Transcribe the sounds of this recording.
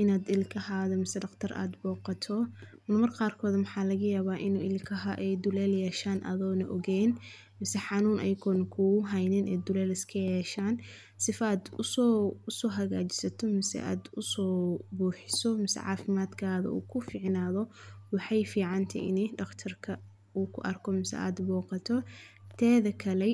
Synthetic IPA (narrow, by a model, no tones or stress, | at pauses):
ʔɪnaːd̪ɪlkʰɐhaːðɐmɪsɛɖɐqt̪ʰɐrʔa̰ːd̪bɔːqɑt̪ʰɔ | mɐmɐrqɑːrkʰɔːd̪mʊħɑːlɐɣɐjaːβaːʔɪnuːɪlkʰɐɦɐʔɛjd̪ʊlɛːljɛːʃaːnʔɐ̰ðɔːnɐʔɔɣɛːn | mɪsɛħɑnuːnʔɛ̰jkʰɔːnkʰʊʊɦɛjnɪnʔɛ̰ːd̪ʊlɛːlɪskʰɐjɛːʃaːn | sɪfaːd̪ʊsɔʊsɔːɦɐɣaːt͡ʃɪ̥sɐt̪ʰɔmɪsɛ̰ʔa̰ːd̪ʊsɔːbuːħɪsɔmɪsɛ̰ʕɑ̰ːfɪmaːd̪kʰaːðɐ̰ʔṵːkʰʊfɪːʕnaːðɔwɑħɑjfiːʕɑnt̪ʰɐ̰ʔɪ̰nɛjɖ̪ɔqt̪ʰɐrkʰɐ | uːkʰʊʔɐrkʰɔmɪsɛ̰a̰ːd̪bɔːqɑt̪ʰɔt̪ʰɛːðɐkʰɐlɛ